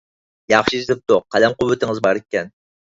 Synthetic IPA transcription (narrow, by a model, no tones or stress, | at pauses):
jɑχʃizt̪ɪp̚t̪ʊqʰælɛmqʊwːɪt̪ʰɪŋɨzbɑɾekʲːɛn